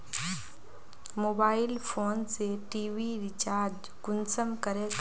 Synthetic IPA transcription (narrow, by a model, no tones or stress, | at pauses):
moːbaːɪlpʰoːnseʈiːʋiɾɪt͡ʃaːɾd͡ʒ | kʊnsəmkəɾe